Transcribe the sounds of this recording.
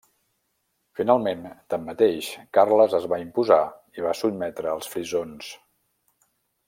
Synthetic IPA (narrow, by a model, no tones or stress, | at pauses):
finalˠment̪əmːət̪eʃkarləzəzβaimpuza | iβ̞asud̪̚mɛt̪ɾəːlˠsfɾizons